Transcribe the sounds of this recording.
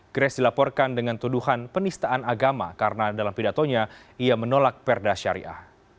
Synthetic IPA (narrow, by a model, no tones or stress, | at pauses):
ɡ̥ɾɛsdilapɔrkandəŋant̪uduhanpənist̪aʔanaɡama̰kaɾənadalampidat̪oɲaiamənolak̚pɛrdaʃaɾḭʔa̰h